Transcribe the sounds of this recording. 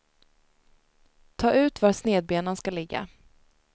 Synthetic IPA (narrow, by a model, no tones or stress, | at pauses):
t̪ʰɑːʔʉ̟ːt̪vasneːd̪̚beːnənskalɪɡːa̰